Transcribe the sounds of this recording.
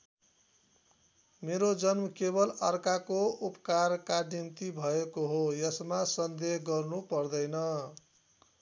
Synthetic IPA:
meɾod͡zʌnmʌkebʌlʌrkakoupkarkanimt̪ibʱʌekoɦojʌsmasʌnd̪eɦɡʌrnupʌrd̪ʌjnʌ

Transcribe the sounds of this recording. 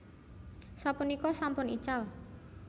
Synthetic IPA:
sapunikɔsampʊnit͡ʃal

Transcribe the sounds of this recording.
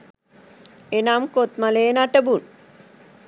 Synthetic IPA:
enamkot̪maleːnaʈəbun

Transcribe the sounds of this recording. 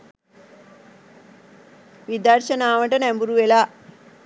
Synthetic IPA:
ʋid̪aːɾɕɐnaːʋɐɳʈɐnembuɾuʋela

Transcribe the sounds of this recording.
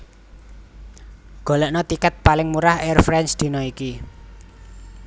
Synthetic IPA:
ɡ̥o̤lɛʔnɔt̪ikət̪̚palɪŋmuɾahɛrfɾɛnsd̪̥i̤nɔiki

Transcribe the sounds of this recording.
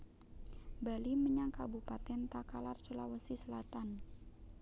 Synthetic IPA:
baliməɲaŋkabupat̪ɛnt̪akalarsulawəsisəlat̪an

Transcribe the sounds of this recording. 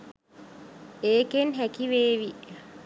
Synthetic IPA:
eːkenɦɛkiweːwi

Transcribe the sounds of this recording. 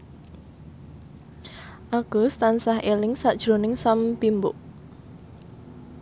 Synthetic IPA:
ʔaɡ̥ʊst̪ansahelɪŋsad̥ʒ̥ɾo̤nɪŋsampimbʊʔ

